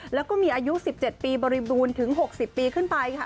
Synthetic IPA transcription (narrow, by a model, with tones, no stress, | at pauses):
lɛː˦˥kɔː˥˩miː˧ʔaː˧ju˦˥si˨˩p̚t͡ɕe˨˩t̪̚piː˧bɔː˧ɾi˧buː˧nt̪ʰɯ˩˦ŋɦo˨˩k̚si˨˩pːiː˧kʰɯ˥˩npa˧jkʰa˥˩